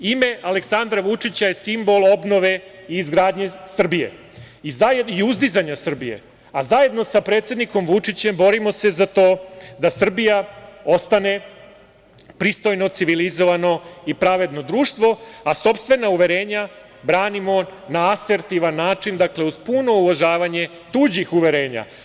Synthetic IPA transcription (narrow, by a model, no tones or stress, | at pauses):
ime̞ʔale̞ksand̪ɾaʋut͡ʂit͡ɕajesimbo̞lˠo̞bno̞ʋe̞iːzɡɾaːd̪ɲe̞sr̩bije̞̰ | izaiuzd̪izaɲasr̩bije̞̰ | azaje̞d̪no̞sapɾet̪sjed̪niko̞mʋut͡ʂit͡ɕe̞mbo̞ɾimo̞se̞zat̪o̞ːd̪asr̩bijao̞st̪ane̞ | pɾist̪o̞jno̞t̪siʋilizo̞ʋano̞ipɾaʋe̞d̪no̞d̪ɾuːʂt̪ʋo̞aso̞pst̪ʋe̞nauʋe̞ɾe̞ːɲa | bɾaːnimo̞naase̞ɾt̪iʋanːaːt͡ʂind̪akle̞uzpuno̞uʋaʒaːʋaɲe̞ | t̪uːd͡ʑixuʋe̞ɾe̞ːɲa̰